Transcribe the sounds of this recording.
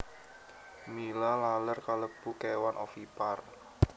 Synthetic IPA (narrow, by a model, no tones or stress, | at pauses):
milalalərkaləb̥ukewanʔɔ̰fipar